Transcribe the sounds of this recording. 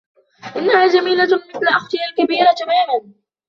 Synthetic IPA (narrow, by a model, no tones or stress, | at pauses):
ʔɪnːahaːd͡ʒamiːlamɪθlaʔaxt̪ɪjalkabiːɾat̪amaːman